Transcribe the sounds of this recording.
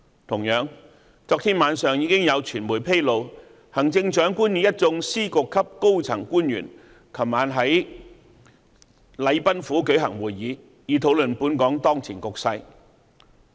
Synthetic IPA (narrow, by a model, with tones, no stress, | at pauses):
t̪ʰʊ˨˩ŋjœː˨˥ŋ | t͡sɔː˧k̚t̪ʰiː˥nmaː˨˧nsœː˨˧ŋjiː˧kɪ˥ŋjɐ˨˧wt͡ʃʰyː˨˩nmuː˨˩jpʰe˥jlo˨˧w | hɐ˨˩ŋt͡sɪ˧ŋt͡ʃœː˨˥ŋkuː˥njiː˨˥jɐ˥t̚t͡sʊ˧ŋsiː˥kʊ˨˧kʰːɐ˥p̚ko˥wt͡sʰɐ˨˩ŋkuː˥njyː˨˩n | kʰɐ˨˩wmaː˨˧nɦɐ˨˥j | lɐ˨˧jpɐ˥nfuː˨˥kɵ˨˥ɥɦɐ˨˩ŋwuː˨˩jːiː˨˧ | jiː˨˧t̪ʰo˨˥wlɵ˨npuː˨˥nkɔː˨˥ŋt̪ɔː˥ŋt͡sʰiː˨˩nkʊ˨k̚sɐ˧j